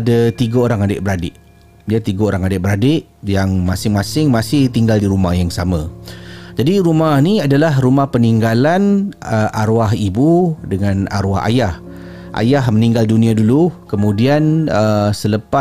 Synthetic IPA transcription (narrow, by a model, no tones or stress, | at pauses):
adat̪iɡaoɾaŋadɪ̰ʔbəɾadɪʔ | diat̪iɡaoɾaŋadɪʔbəɾadɪʔ | jaŋmasɪŋmasɪŋmasɪht̪iŋɡaldiɾumahjaŋsamãd͡ʒadiɾumahniadalahɾumahpəniŋɡalanəʔaɾuaɦibudəŋãna̰ɾwaɦa̰jah | ʔa̰jaɦməniŋɡaldunĩadulukəmũdianəsələpa